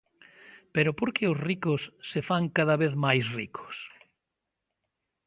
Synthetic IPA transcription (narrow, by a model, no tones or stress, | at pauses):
peɾʊpoɾkeʊsrikosːefaŋkaðaβeθmajsrikʰo̥s